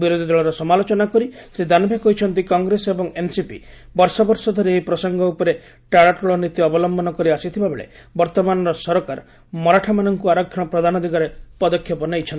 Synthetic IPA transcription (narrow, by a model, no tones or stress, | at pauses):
biɾod̪ʱid̪ɔɭɔɾɔsɔmalot͡ʃɔnakɔɾisɾid̪anɔbʱekɔɦit͡ʃʰɔnt̪ikɔŋɡɾesebɔŋensipḭ | bɔɾsɔbɔɾsɔd̪ʱɔɾeeipɾɔsɔŋɡɔupɔɾe | ʈaɽaʈɔɭɔnit̪iɔbɔlɔmbɔnɔkɔɾiasit̪ʰibabeɭḛbɔɾt̪ɔmanɔɾɔsɔɾɔkaɾ | mɔɾaʈʰamanɔŋkuaɾɔkʰjɔɔpɾɔd̪ʱanɔd̪ʱiɡɔɾepɔd̪ɔkʰːjɔpɔnejt͡ʃʰɔnt̪i